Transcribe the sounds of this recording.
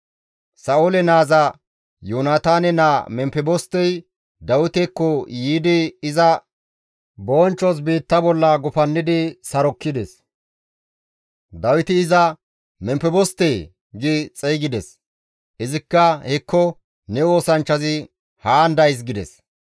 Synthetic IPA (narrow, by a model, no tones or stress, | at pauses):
sɐolɛnaːzɐ | joːnaːt̪aːnɛnaːmɛmpɛbɔst̪ːɛj | d̪ɐwɪt̪ɛkːɔjiːd̪ɪɪzɐ | boːnt͡ʃːɔs̬biːt̪ːɐbɔlːɐɡʊfɐnːɪd̪ɪsɐɾɔkːɪd̪ɛs | d̪ɐwɪt̪ɪːzɐ | mɛmpɛbɔst̪ːɛj | ɡɪt͡sʼɛjɡɪd̪ɛs | ʔɪzɪkːɐhɛkːɔ | nɛo̞ːsɐnt͡ʃːɐzɪ | haːnd̪ɐjs̬ɡɪd̪ɛ̰s